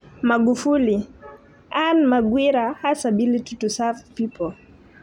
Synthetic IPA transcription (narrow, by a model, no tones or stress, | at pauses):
maɡufuli | anmaɡwiɾahasaɓilitutusafpipɔ